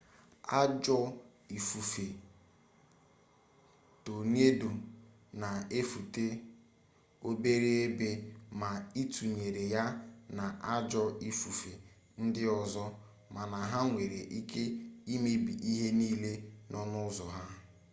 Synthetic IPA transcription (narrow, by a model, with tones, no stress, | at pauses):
a˦d͡ʒɔ˦ | i˨fu˨fe˨ | to˨n˦e˦do˨ | na˨e˦fu˨te˦ | o˦be˦ɾe˦e˦be˦ma˨i˦tu˨ɲe˨ɾe˨ja˦na˨ʔa˦d͡ʒɔ˦i˦fu˨fe˨ | n̩˦dɪ˦ɔ˨zɔ˦ | ma˨na˨ɦa˦ŋʷe˨ɾe˨ʔi˦ke˦i˦me˦bi˨ʔi˦ɦe˦niː˦le˦nɔ˦nʊ˦zɔ˨ɦa˦